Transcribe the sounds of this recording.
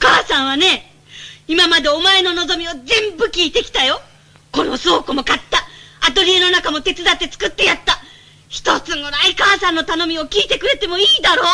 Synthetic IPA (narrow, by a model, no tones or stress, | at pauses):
okaːsãɰ̃βane̞ | imamad̪e̞o̞mae̞no̞no̞zo̞mʲio̞d͡zẽ̞mbɯ̟kʲiːt̪e̞kʲi̥t̪ajo̞ | ko̞no̞so̞ːkɯmo̞kat̪ːaat̪o̞ɾʲie̞no̞nakamo̞t̪e̞t͡sɨd̪at̪ːe̞t͡sɨ̥kɯ̟t̪ːe̞jat̪ːa | çi̥t̪o̞t͡sɨno̞ɾaikaːsãnːo̞t̪ano̞mʲio̞kʲiːt̪e̞kɯ̟ɾe̞t̪e̞mo̞iːd̪aɾo̞ː